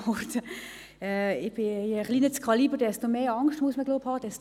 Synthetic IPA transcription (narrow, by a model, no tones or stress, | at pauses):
ɔrtə | ɛɪb̥ɪʁlinət͡skʰʁɑliːbədɛstomeːɑŋstmuəsməɡloːphɑːd̥ɛs